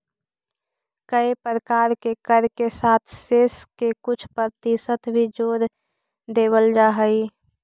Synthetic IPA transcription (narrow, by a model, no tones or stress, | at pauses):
kəipɾəkaːɾkekəɾkesaːt̪ʰseskekʊt͡ʃʰpəɾt̪isət̪ʰbʱid͡ʒoːɾ | d̪eːbəld͡ʒaːɦəi